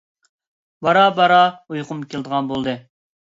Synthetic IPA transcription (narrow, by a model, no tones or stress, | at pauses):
bɑɾɑbɑɾɑujqʰʊmkʲʰelˠd̪əʁɑnbolˠd̪ɨ